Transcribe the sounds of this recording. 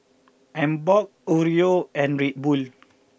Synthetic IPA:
ãmbɔk̚oɹioɛ̃nɹet̚bul

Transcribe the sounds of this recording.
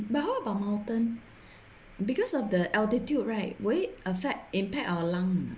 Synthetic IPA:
bat̚ɦaʊəbaʊʔ̚mãʊtə̃n | bikɔsɔfdəʔaltitjud̚ɹaɪt̚weʔəfɛk̚ĩmpɛk̚awəlãŋ

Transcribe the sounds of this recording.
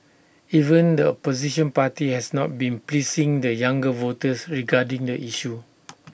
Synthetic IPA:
ivə̃ndəɔpoziʃɔ̃npatihɛsnɔt̚bĩnplisĩŋdəjãŋɡəvotəsɹiɡadĩŋdəʔiʃu

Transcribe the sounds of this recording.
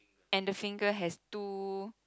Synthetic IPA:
ɛ̃ndəfĩŋɡəɦɛstu

